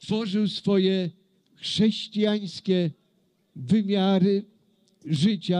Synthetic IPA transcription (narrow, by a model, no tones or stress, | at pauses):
t̪fɔʐɨwsfɔjɛ | xʂɛɕt͡ɕijaj̃skʲɛ | vɘmʲjaɾɘ | ʐɘt͡ɕa